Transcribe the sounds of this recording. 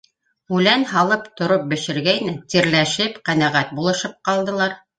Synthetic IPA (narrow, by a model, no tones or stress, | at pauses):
ʉlænɦɑlˠɤpt̪ŏɾop̚bɘ̆ʃɘ̆ɾɡæjnæt̪iɾlæʃɘpqænæʁæt̪̚bulˠɤ̆ʃɤp̚qɑlˠd̪ɤ̆lˠɑɾ